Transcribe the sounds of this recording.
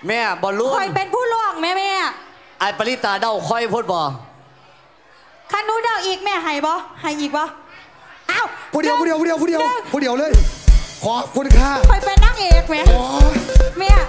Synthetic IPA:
mɛː˧˩bɔː˧˦lu˧˩˨kʰɔ˧˩jpe˧npʰuː˥˩lu˧˥˩əŋ̚mɛː˦˧˥mɛː˧˥˩ | ʔaː˨˩t̪̚pa˧li˦˥˩t̪ːaː˧da˧˩wkʰɔ˧˩jpʰoː˧˩t̪̚bɔː˨˩ | kʰa˧˥˨nːuː˧˥daː˧˩wʔiː˨˩k̚mɛː˧˩ɦa˨˩jbɔ˧˥ha˨˩jʔiː˨˩k̚bɔː˧˦ | ʔaː˧˩wpʰuː˧˩di˨˦wpuː˧˥˩i˨˦puː˧˥˩i˨˦pʰuː˧˥˩di˨˦wʰuː˧˩di˨˦wlɤː˧˥˨jkʰɔː˨˦kʰu˧˥˨nkʰaː˧˩kʰɔ˧˩jpe˧nːaː˥˩ŋʔeː˨˩k̚mɛː˦˧˥oː˧mɛ˧˥˩

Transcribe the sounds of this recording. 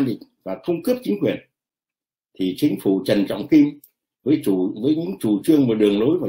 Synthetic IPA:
nɗḭ˧˨ŋvaː˨˩xə˧wŋ͡mkɨ˦˥p̚t͡ɕï˨˦ŋ̟kwi˨˩ən | t̪ʰi˨˩t͡ɕï˨˦ŋ̟fṵ˧˨t͡ɕə˨˩nt͡ɕɔ̰˧˨wŋ͡mfi˧m | vəː˨˦jvəː˨˦jɲɨ̰˧˥ŋt͡ɕu˨˩t͡ɕɨ˧əŋmə˨˩ɗɨ˨˩əŋlo˨˦jvaː˨˩

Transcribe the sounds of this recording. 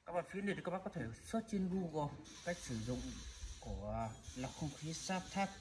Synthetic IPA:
kaː˦k̚ɓaː˧˨nfi˨˦əni˧˨˩kːaː˦˥ɓa˧˨kɔ˨˧t̪ʰe˧˩swə˦˥t̚t͡ɕi˧nvu˧ɣɔ˨˩ | kaː˦˥jk̚sɨ˧˩zʊ̰˧˨ŋ͡mku˧˩əlaː˨˩wxə˧wŋ͡mxi˨˦saː˦˥p̚t̪ʰaː˦˥t̚

